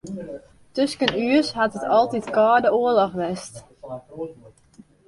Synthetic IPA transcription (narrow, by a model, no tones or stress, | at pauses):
tøskənyəshatətʰɔlˠtitkaːdəoəlɔxʋɛst